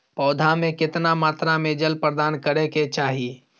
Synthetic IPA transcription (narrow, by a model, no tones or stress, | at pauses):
pɔːd̪ʱamẽkɪt̪namaːt̪ɾamẽd͡ʒəlpɾəd̪aːnkəɾeket͡ʃaːɦi